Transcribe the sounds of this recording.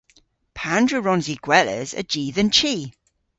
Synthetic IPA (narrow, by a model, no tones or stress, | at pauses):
pʰãndɹəɹɔ̃nziɡ̥wɛlə̰zə̰d͡ʒiːðə̃nt͡ʃʰiː